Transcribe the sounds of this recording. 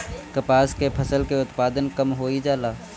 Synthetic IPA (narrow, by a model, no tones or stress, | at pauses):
kɐpaːskepʰɐsəlkeʊt̪paːd̪ənkɐmɦoːid͡ʒaːlaː